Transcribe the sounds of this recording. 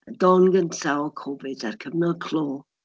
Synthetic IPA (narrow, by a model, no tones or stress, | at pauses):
dɔnɡəntʰawɔkʰɔvɪdarkʰəvnɔkʰl̥ˠoː